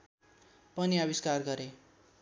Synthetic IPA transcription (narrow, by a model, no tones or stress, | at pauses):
pʌniʌbiskarɡʌɾe